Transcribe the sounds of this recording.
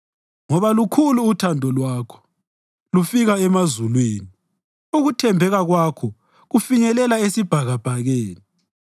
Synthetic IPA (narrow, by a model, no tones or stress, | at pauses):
ŋɔβalukʰuluːtʰandʱɔlwaːkʰɔ̥ | lufiɣaɛmazulweːni | uɣutʰɛmbʱɛɣaɣwakʰɔ | ɣufiɲɛlɛlaesib̥ʱaɣab̥ʱaɣeːni